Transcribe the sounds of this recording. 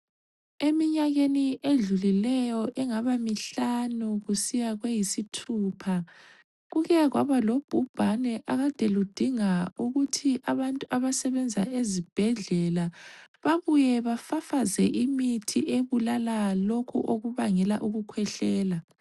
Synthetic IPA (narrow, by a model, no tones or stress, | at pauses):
emiɲaɣeniʔeɮulilɛjɔʔɛŋaβamiɬanuɣusijaɣwejisitʰuːpʰa | ɣuɣɛɣwa̰βalob̥ʱub̥ʱanɛʔaɣatʼɛlud̥ʱiŋauɣutʰiʔaβantʼuaβasɛβɛnd͡zʱaezib̥ʱɛɮɛlaβaβujɛβafafazɛʔimitʰiʔeβulalalokʰṵʔoɣuβaŋɛlaʔuɣukʰwɛɬɛːla